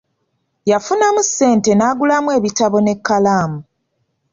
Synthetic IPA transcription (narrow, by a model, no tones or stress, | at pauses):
jafunamusːe̞ːnte̞naːɡulamwe̞ːβitaβo̞ne̞kːalaːmu